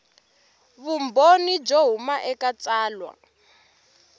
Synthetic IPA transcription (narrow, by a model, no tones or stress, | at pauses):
βumbonid͡ʒoɦumaʔɛkat͡saːlwa̰